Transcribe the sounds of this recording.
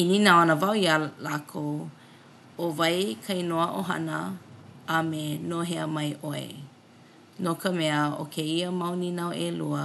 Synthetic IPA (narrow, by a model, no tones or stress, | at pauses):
ininaanəvawiəlakʰow | ovɐjkʰɐjnoəʔo̰ɦɐ̰nə̰ | ɐmenoɦeəmɐjʔoḛ | nokəmɛəo̰kʰeiəmɐwninawʔeluə